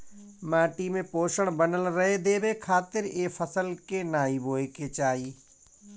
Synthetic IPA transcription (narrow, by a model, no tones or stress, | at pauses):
maːʈimẽpoːʃəɽ̃bənəlɾɐɦed̪eːbekʰaːt̪ɪɾeːfəsəlkenaːiboːeket͡ʃaːiː